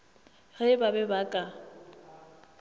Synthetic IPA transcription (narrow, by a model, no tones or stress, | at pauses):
ɣɛbabɛbakʼa